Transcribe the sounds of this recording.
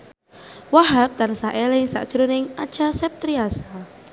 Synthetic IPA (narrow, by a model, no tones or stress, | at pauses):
waɦap̚t̪ansaʔelɪŋsa̰ʔd̥ʒ̥ɾunɪŋad̥ʒ̥asɛp̚t̪ɾiasa